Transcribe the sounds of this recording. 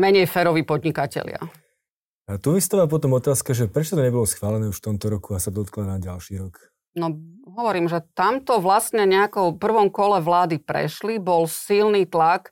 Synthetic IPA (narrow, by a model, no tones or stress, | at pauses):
mɛɲɛjfɛɾɔʋiːpɔd̪ɲikacɛ̰lɪa̰ | at̪uʋist̪aːʋaːp̬ɔt̪ɔmɔt̪aːskaʒɛpɾɛt͡ʃɔt̪ɔɲɛbɔlɔsxʋaːlɛnɛːuʃft̪ɔmt̪ɔɾɔkuasad̪ɔt̪klanaɟalʃiːɾɔk | nɔɦɔʋɔɾiːmʒɛt̪amt̪ɔʋlast̪ɲɛɲɛakɔwpr̩ʋɔmkɔlɛʋlaːd̪ipɾɛ̰ʃlibɔlsilniːt̪lak